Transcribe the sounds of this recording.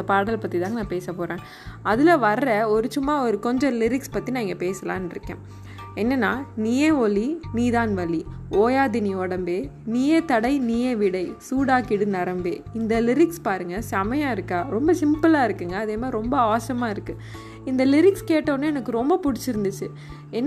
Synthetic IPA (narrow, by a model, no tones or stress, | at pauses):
nd̪ɐpaːɽɐlpɐt̪ːit̪ãːŋɡɐnãːpeːsɐpoːɾẽː | ɐðɪlɐʋɐɾɾɐɔɾɯt͡ʃʊmːaːɔɾɯkɔɲd͡ʒɔ̃lɪɾɪkspɐt̪ːinãːɪŋɡɐpeːsɐlã̰ːnɪɾɯkːḛ̃ː | ɛnːɐnːaːniːjeɔliniːðaːnʋɐlioːjaːðɪniɔɽɐmbeː | niːjet̪ɐɽɐɪniːjeʋɪɽɐɪsuːɽaːkɪɽɯnɐɾɐmbeːɪnd̪ɐlɪɾɪkspaːɾɯŋɡɐsɐmɐjaːɪɾɯkːaːɾɔmbɐsɪmpɯlaːɪɾɯkːɯŋɡɐːðeːmaːɪɾɔmbɐaːsɐmaːɪɾɯkːɯ | ɪnd̪ɐlɪɾɪkskeːʈːɐːnːɯɛnɐkːɯɾɔmbɐpʊɽɪt͡ʃːɪɾɯnd̪ɯt͡ʃːɯ | ɛnː